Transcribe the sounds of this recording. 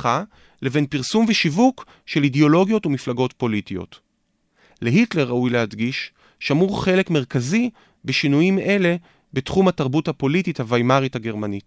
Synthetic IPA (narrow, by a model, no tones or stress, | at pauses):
a | le̞ve̞npiʁsumveʃivuk | ʃe̞lideo̞lo̞ɡjo̞tumiflaɡo̞tpo̞litijo̞̰t | leɦitle̞ʁːaujlehadɡiʃ | ʃamuʁχe̞le̞kmeʁkazi | beʃinujime̞le̞ | betχumhataʁbuthapo̞litithavajmaʁithaɡe̞ʁmanit